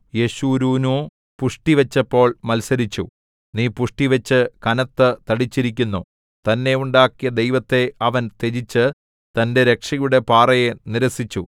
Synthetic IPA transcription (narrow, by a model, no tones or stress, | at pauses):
jeɕuːɾuːnoː | puʂʈiʋɐt͡ɕːɐpːo̞ːɭmɐlsɐɾit͡ɕːu | niːpuʂʈiʋɐt͡ɕːɨkɐnɐt̪ːɨt̪ɐɽit͡ɕːiɾikʲːunːu | t̪ɐnːe̞uɳɖaːkːijɐd̪ejʋɐt̪ːe̞ɐʋɐnt̪ed͡ʑit͡ɕːɨ | t̪ɐnde̞ɾe̞kʂɐjuɽe̞paːrɐjeniɾɐsit͡ɕːu